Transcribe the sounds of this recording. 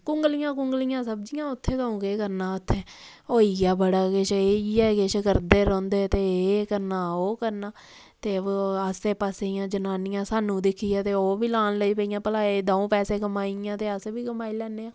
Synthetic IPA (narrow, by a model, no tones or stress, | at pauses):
kʊŋɡlijãːkʊŋɡlɪjãːsəb̚d͡ʒijãːʊt̪ʰːeːkəũːkekəɾnaːʊt̪ʰːeː | oːijaːbəɽaːkɪʃeiɛːkɪʃkəɾd̪eːɾɔ̃ːnd̪eːt̪eːekəɾnaːoːkəɾnaː | t̪eːəseːpaːsejãːd͡ʒənaːnɪjãːsaːnũːd̪ɪkʰːiːjaːt̪eːoːbiːlaːnləiːpəijãːpəlaːeːd̪ãːũːpɛːseːkəmaːiãːt̪eːəsbiːkəmaːiːlɛːnːeːãː